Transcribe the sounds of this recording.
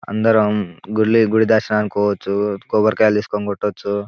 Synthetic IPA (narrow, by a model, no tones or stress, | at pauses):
ɐ̰nd̪ɐɾomɡuɽliɡuɽid̪aːʃɐnaːnkoːt͡ʃːukoːbɐɾkɐjaliskonɡoʈːot͡ʃːu